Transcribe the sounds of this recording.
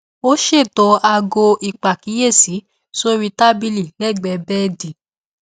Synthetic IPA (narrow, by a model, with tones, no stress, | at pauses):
o˦ʃe˦˨tɔ˧a˧ɡo˧ʔi˨k͡pa˨ki˨˦je˦˨si˨˦ | so˦ɾi˧ta˦bi˦˧li˨lɛ˦˨ɡ͡bɛ˧bɛ˦di˨